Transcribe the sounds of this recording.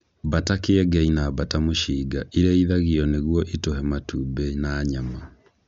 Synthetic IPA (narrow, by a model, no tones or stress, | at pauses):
batakeɛɡɛinabatamoʃiɡaʔiɾɛiðaɣiɔneɣwɔʔitoɦɛmatuːbɛnaːɲama